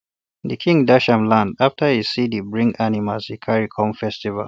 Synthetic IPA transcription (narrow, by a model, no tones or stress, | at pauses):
ðɨkʰĩŋdaʃãmlãndaftʰəhi̥sidibɹĩŋɡanimalz̥hikʰaɹikʰɔ̃mfɛstiva̰l